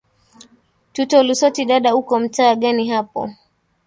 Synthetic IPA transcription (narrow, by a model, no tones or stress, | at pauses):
tutɔlusɔtiɗaɗaukɔm̩taːɠaniɦapɔ̰